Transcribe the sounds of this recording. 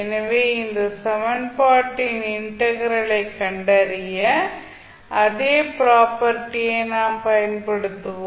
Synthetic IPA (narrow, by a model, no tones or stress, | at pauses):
ɛnɐʋeːɪnd̪ɐsɐʋɐɳpaːʈːɪnɪɳʈɐɣɐɾɐɭɐɪkːɐɳɖɐɾɪjɐ | ʔɐðeːpɪɾaːpɐɾʈːɪjeːnaːmpɐjɐnpɐɽɯt̪ːɯʋ̃